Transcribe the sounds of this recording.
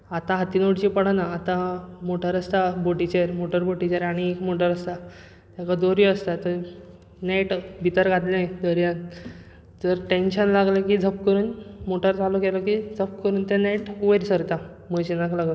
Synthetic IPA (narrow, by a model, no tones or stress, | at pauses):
at̪ãɦat̪inoʈt͡ɕipəɽ̤anaːt̪ãmoʈəɾəst̪aboʈit͡ɕeɾmoʈəɾboʈit͡ɕeɾaɽ̃iekmoʈəɾəst̪a | t̪jakad̪oɾiəst̪at̪ə | neʈbʱit̪əɾkad̪lajd̪əɾjãn | d͡zəɾʈenɕənlaɡlekid͡zʱəp̚kəɾuːnmoʈəɾt͡salukelɔkid͡zʱəp̚kəɾuːnt̪eneʈuʋəɾsəɾt̪a | məɕinaklaɡlə